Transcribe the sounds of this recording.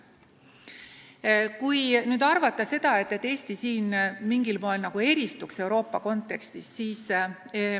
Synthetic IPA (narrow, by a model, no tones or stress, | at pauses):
kujnyːd̪̥ɑrvɑt̪ˑːɑse̞d̪̥ɑe̞t̪ːe̞t̪ːe̞ːsʲt̪isiːnmiŋɡilmoelnɑɡ̥ue̞ɾist̪ukse̞uɾo̞ːpːɑko̞nt̪ːˑe̞kst̪issiːs